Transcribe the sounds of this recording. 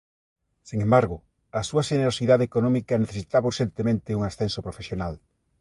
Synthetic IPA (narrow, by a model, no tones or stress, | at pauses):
siŋẽmbaɾɣʊ | ɐsuɐʃeneɾosiðaðeːkonɔmikɐneθesit̪aβauɾʃent̪emẽnt̪ɪuŋasθensopɾofesjonal